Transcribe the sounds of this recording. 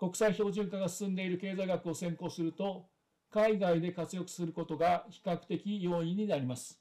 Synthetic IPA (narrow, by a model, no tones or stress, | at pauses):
ko̞kɯ̥saiço̞ːʑɨ̃ŋkaɡasɨ̥sɨ̃nd̪e̞iɾɯ̟ke̞ːzaiɡakɯ̟o̞sẽ̞ŋko̞ːsɨɾɯ̟t̪o̞ | kaiɡaid̪e̞kat͡sɨjo̞kɯ̟̥sɨɾɯ̟ko̞t̪o̞ɡaçi̥kakɯ̥t̪e̞kʲijo̞ːĩɲ̟ːinaɾʲimasɨ̥